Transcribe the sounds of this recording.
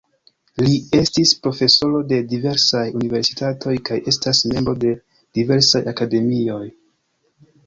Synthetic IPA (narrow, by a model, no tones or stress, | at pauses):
lie̞stispɾo̞fe̞so̞ɾo̞de̞dive̞ɾsajunive̞ɾsi̥tatʰo̞jkaje̞stasme̞mbɾo̞de̞ | d̥ive̞ɾsajakade̞mio̞j